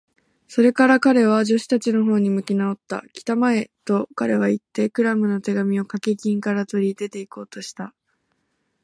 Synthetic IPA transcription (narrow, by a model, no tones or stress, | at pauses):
so̞ɾe̞kaɾakaɾe̞β̞aʑo̞ɕi̥t̪at͡ɕino̞ɦo̞ːɲ̟imɯ̟kʲinao̞t̪ːa̰kʲi̥t̪amae̞t̪o̞kaɾe̞β̞ait̪ːe̞kɯ̟ɾamɯ̟no̞t̪e̞ɡamʲio̞kakekʲĩŋkaɾat̪o̞ɾʲid̪e̞t̪e̞iko̞ːt̪o̞ɕi̥t̪a